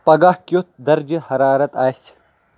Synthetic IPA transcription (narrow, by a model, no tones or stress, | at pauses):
pɐɡahkjut̪̚d̪ɐɾd͡ʒihɐɾaːɾɐt̪aːjs